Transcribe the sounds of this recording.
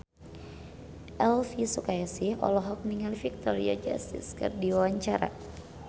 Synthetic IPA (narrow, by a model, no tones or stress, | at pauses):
ʔɛlfisukajasihɔ̰lɔɦɔk̚niŋalfik̚t̪ɔɾia̰d͡ʒa̰st̪ḭskɨ̰rdiwawaɲt͡ʃaɾa̰